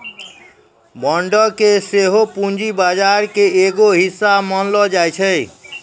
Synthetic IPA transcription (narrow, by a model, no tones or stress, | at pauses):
bɔɳɖɔkeseɦopund͡ʒibad͡ʒaɾkeeɡoɦisːamənlɔd͡ʒajt͡ʃʰəj